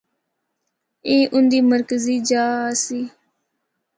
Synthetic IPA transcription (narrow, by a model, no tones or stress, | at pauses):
eːʔʊnd̪iːməɾkəziːd͡ʒaːsiː